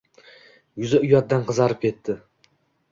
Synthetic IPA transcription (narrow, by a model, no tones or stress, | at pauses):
jʊzaʊjɒt̪̚d̪anqɨzaɾɪp̚kʲʰe̞t̪ʰːɪ